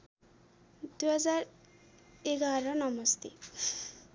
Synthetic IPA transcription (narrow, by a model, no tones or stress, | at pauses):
d̪uɦʌd͡zar | eɡaɾʌnʌmʌst̪e